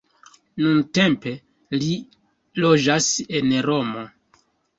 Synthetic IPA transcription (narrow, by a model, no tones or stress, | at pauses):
nunte̞mpe̞ | li | lo̞d͡ʒase̞nɾo̞mo̞